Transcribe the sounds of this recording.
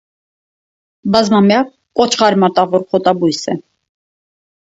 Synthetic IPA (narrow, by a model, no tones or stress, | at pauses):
bɑzmɑmjɑk̚ | kʼɔt͡ʃʰχɑɾmɑt̪ʼɑʁɔɾχʰɔt̪ʼɑbujsɛ